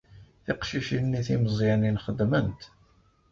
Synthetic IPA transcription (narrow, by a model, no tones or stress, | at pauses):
θiqʃiʃinːiθiməzˤininχəd̪ːmənt̪